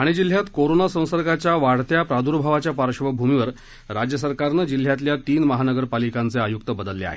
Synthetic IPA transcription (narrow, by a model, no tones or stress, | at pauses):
aɽ̃id͡ʑil̤jat̪koɾonasə̃w̃səɾɡat͡ɕjaʋaɽ̤t̪japɾad̪uɾbʱaʋat͡ɕjapaɾɕʋəbʱumiʋəɾ | ɾad͡ʑjəsəɾkaɾnəd͡ʑil̤ːjat̪ljat̪iːnməɦanəɡəɾpalikant͡seajukt̪əbəd̪əlːea̰ɦḛ